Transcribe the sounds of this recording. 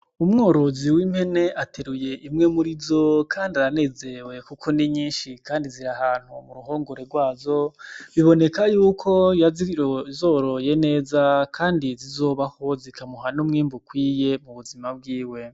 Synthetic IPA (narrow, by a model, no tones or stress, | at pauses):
umŋoːɾo̞ziwim̥he̞ne̞ʔatʰeɾuje̞ʔimŋe̞muɾizokʰaːndiaɾane̞ze̞we̞kukʰo̞niɲiːnʃikaːndiziɾahaːn̥humuɾuɦo̞ːŋɡoɾeɾɡwaːzo̞βiβo̞ne̞kajuːkʰo̞jazizoːɾoje̞ne̞ːzakʰaːndizizo̞ːβaho̞zikamuɦanumŋiːmbukwiːje̞muβuzimab̚ɡiːwe̞